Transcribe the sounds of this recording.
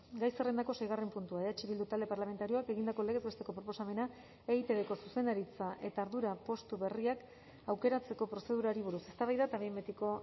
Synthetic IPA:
ɡajsere̞nd̪ako̞se̞jɣ̞are̞mpunt̪uaeat͡ʃiβild̪ut̪ald̪e̞paɾlame̞nt̪aɾio̞ake̞ɣind̪ako̞le̞ɣe̞zβe̞st̪e̞ko̞pɾo̞po̞same̞na | eɣit̪eðeko̞suse̞nd̪aɾit͡saʔe̞t̪aːɾðuɾapo̞st̪uβe̞riak | awke̞ɾat͡se̞ko̞pɾo̞se̞ðuɾaɾiβuɾuse̞st̪aβajðat̪aβimbet̪iko̞

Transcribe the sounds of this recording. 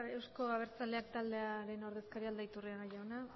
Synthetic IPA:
e̞wsko̞aβ̞e̞ɾt͡sald̪e̞ak̚t̪ald̪e̞aɾe̞no̞ɾðe̞skaɾiald̪ajt̪uriaɣajawna

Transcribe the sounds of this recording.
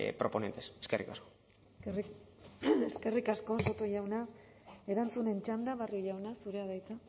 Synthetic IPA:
pɾopo̞nent̪eseskerikasko̥ | eske̞rikasko̞sot̪oʝawna | e̞ɾant͡sune̞nt͡ʃand̪aβarioʝawnasuɾe̞aðajt̪a

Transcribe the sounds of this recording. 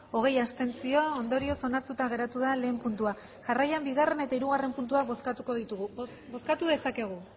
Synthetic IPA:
o̞ɣ̞e̞jast̪e̞nt͡sio̞ːnd̪o̞ɾio̞so̞naɾt̪ut̪aɣ̞e̞ɾat̪uðale̞ːmpunt̪ua | ʝarajambiɣ̞are̞ne̞t̪aiɾuɣ̞are̞mpunt̪uaβoskat̪uko̞ðit̪uɣu | bo̞skat̪uðe̞sake̞ɣ̞u

